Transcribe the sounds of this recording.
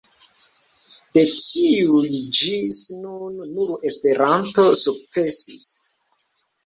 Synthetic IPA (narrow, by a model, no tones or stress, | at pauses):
d̥e̞tiujd͡ʒisnunːuɾe̞spe̞ɾanto̞suk̚t͡se̞sis